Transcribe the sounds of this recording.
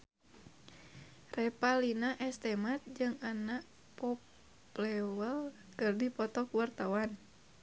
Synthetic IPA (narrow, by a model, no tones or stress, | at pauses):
rɛpalinaʔɛst̪ɛmat̪̚d͡ʒɨŋanaʔ | pɔp | lɛwəl | kɨrdipɔt̪ɔkuwart̪awan